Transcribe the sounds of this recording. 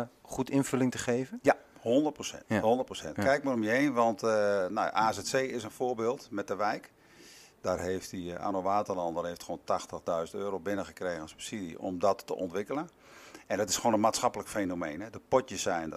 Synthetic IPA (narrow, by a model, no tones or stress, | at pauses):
χutɪnfɵlɪŋtəχeːvənjahɔndərtprosɛ̰nthɔndərtprosɛ̰ntkɛjk̚marɔmjəejnʋɑntnɔ̰ʔaːzɛtseːɪsənfoːbeːlˠtmɛt̚dəʋɛjk | d̥aːrɦeftdia̰noʋaːtərlɑndɔrhejftxoːntaxtəɣdœɥzəntøːɾowbɪnəxəkreːɣənsy̥psidḭʔɔ̰mdɔtːə̰ʔɔ̰ntʋɪkələn | ɛndɔtɪsχoːnənmaːtsxɑpələkfenomejnɦɛdəpɔtəsɛjndə